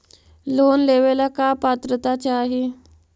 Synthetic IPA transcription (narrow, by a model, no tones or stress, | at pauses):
lonleʋelakapat̪ɾət̪at͡ɕaːɦe